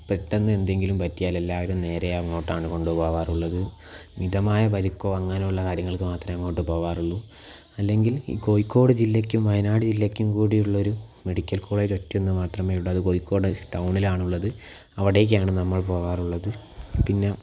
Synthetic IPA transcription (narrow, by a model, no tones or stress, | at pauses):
pretːɐnːɨe̞nd̪e̞ŋɡilumpɐtːijaːle̞lːaːʋɐɾumne̞ːɾejanoːʈːaːɳɨko̞ɳɖupo̞ːʋaːruɭːɐðɨ | niðɐmaːjɐpɐɾikːoʋɐŋːaːnuɭːɐkaːɾjɐŋːɐɭkɨmaːt̪rɐmemːoːjiʈːɨpo̞ːʋaːruɭːu | ɐlːe̞ŋɡilḭːko̞jikːo̞ːɽɨd͡ʑilːɐkʲːumʋɐjɐnaːɽid͡ʑilːɐkʲːumkuːɽijuɭːɐo̞ɾume̞ɽikʲːɐlkoːɭet͡ɕotːuenːɨmaːt̪rɐmeːjuɭːɐðɨkoːjikːo̞ːɽɨʈɐwɳilaːɳuɭːɐðɨ | ɐʋiɽe̞ːk̬ːaːɳɨnɐmːɐɭp̬o̞ːʋaːruɭːɐðɨpinːe̞